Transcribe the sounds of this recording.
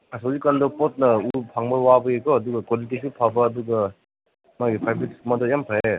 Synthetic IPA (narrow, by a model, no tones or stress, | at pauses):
kasazikandɔpɔt̚nɐupʰaŋbɐwabɐekɔɐduɡɐkwalitisupʰabɐːduɡɐ | maɡipʰajbɾitsmadɔjampʰae